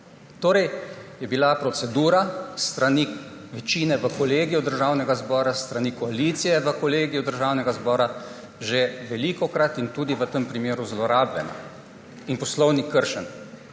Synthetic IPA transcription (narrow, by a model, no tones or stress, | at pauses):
t̪oːɾɛjjɛbilapɾɔt̪sɛd̪uːɾast̪ɾaniʋɛt͡ʃiːnɛʋəkɔleːɡijɔd̪əɾʒaːwnɛɡazbɔːɾast̪ɾanikɔalit̪sijɛʋəkɔleːɡijɔd̪əɾʒaːwnɛɡazbɔːɾa | ʒeʋɛliːkɔkɾat̪int̪uːd̪iʋət̪əmpɾimeːɾuzlɔɾaːbjɛ̰na̰ | inpɔslɔwnikːəɾʃən